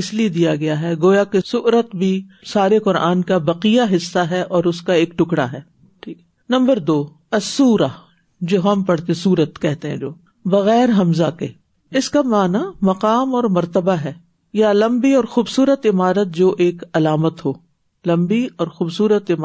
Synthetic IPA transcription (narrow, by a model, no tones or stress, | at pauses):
ɪslied̪ijaɡɐjaɦɛɡoːjakesʊʔɾət̪bʱisaːɾeqʊɾa̰ːnkabɐqijaɦɪsːaɦɛʔɔːɾʊskaeːk̚ʈʊkɽa̰ɦɛː | ʈʰiːk | nɐ̃mbəɾd̪oː | ɐsːuːɾa | d͡ʒoːɦɐmpɐɽt̪ẽsuːɾət̪kɛɦt̪eɦɛ̰̃d͡ʒoː | bɐɣɛːɾɦɐmzake | ɪskamaːnamɐqaːmɔːɾmɐɾt̪əbaɦɛː | jalɐ̃mbiɔːɾxuːbsuːɾət̪ɪmaːɾət̪̚d͡ʒoːʔeːkɐlaːmət̪ɦoː | lɐ̃mbiɔːɾxuːbsuːɾət̪ɪma